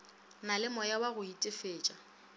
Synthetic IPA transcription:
nalɪmɔjawaɣʊitʼɪfeːt͡ʃʼa

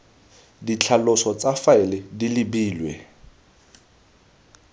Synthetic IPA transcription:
dit͡ɬʰalʊsɔt͡sʼafaɪlɪdilɪbiːlwɛ̰

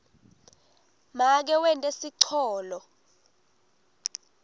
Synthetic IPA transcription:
mak̬ɛwɛntʼesiǀʰɔːlɔ

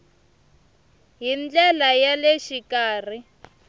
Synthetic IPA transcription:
ɦind͡ɮɛlajaleʃikaːr̤i

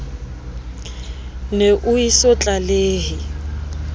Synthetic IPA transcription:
neʔʊisɔt͡ɬʼaleːɦɪ

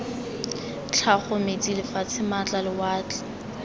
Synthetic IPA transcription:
t͡ɬʰaχʊmet͡sʼilɪfat͡sʰɪmat͡ɬʼalɪwaːt͡ɬɛ̥

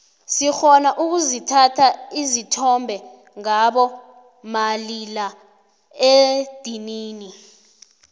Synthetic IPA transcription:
sixɔnaʔuk̬uzitʰatʰaizitʰɔmbʱɛ | ŋaɓɔ | malila | ed̥ʱiniːni

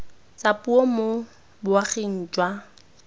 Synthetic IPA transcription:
t͡sapʼuɔmo | bʊaχen̩t͡ʃʼwa

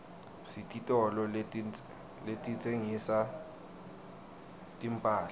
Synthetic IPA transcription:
sitʼitʼɔlɔ | letʼit͡sʼeŋisa | tʼimpʼaːla

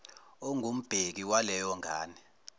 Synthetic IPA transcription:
oŋʱum̩b̥ʱek̬iwalɛjɔŋʱa̰ːni

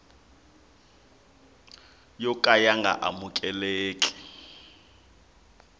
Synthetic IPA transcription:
jɔkʼajaŋɡʱa̰ʔamukʼɛleːkʼɛ̥

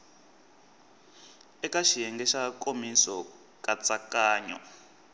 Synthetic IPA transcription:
ɛkaʃijɛŋɡɛʃakʼomisɔ | kʼat͡sʼakaːɲɔ̰

